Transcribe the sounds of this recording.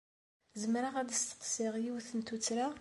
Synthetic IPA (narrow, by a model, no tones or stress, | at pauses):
zəmɾaʁæd̪əst̪ə̥qsiʁjiwθənt̪ut͡sːɾa